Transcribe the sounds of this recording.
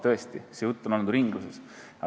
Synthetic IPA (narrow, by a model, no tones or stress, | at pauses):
t̪ɤest̪isejut̪ːˑonɑnd̪uɾiŋɡluses | ɑ